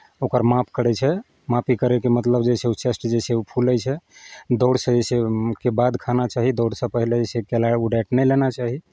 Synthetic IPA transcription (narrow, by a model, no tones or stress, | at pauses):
okəɾmap̚ʰkəɽɛt͡ʃʰɛ | mapikəɾɛkemət̪ləbd͡ʒeseut͡ʃesʈd͡ʒeseupʰuləjt͡ʃʰɛd̪ɔɽsə̃d͡ʒesekebad̪kʰanat͡ʃaɦid̪oɽsə̃pəɦiled͡ʒesekelauɖɛʈnɛjlenat͡ʃaɦi